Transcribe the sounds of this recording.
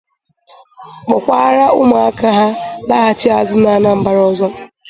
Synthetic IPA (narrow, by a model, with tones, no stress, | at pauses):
ɡ͡bɔ˨kʷa˦ɾa˦ʔʊ˦ma˨a˦ka˦ɦa˦la˦ɦa˦t͡ʃɪ˦a˨zʊ˦na˨˦na˦˨m̩˦ba˦ɾɔ˦zɔ˦